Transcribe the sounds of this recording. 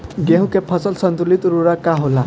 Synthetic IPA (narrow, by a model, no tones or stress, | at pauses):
ɡeɦũkepʰʌsɔlsʌnt̪ulit̪ɾuɾakaɦola